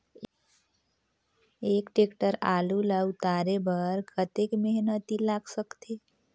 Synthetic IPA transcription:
ekʈekʈəɾalulaut̪aɾebəɾkʰət̪ekmeɦnət̪ilaɡsəkt̪e

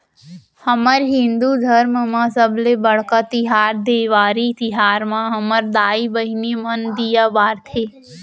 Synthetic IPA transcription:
həməɾɦɪ̃nd̪ud̪ʱəɾmmãsəblebəɽ̤kat̪ɪɦaːɾd̪eːʋaːɾit̪ɪɦaːɾmãɦəməɾd̪aːibəɦinimənd̪ijabaːɾt̪ʰeː

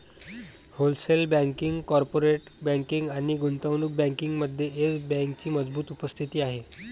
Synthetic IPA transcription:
holselbɛ̃ŋkiŋɡkɔɾpoɾeʈbɛ̃ŋkiŋɡaɽ̃iɡunt̪əʋnuk̚bɛ̃ŋkiŋɡməd̪ʱjeʔet͡sbɛ̃ŋk̚t͡ɕiːməd͡zbuːt̪upəst̪ʰit̪iːaɦe

